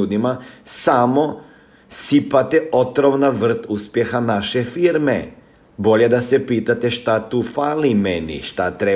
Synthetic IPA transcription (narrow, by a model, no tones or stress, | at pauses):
uːd̪imasamo | sipat̪ɛot̪ɾoʋnaʋr̩t̪uspjexanaʃefiɾme | bo̞ʎed̪asɛpiːt̪at̪eʃt̪at̪uːfaːlimenḭʃt̪at̪ɾe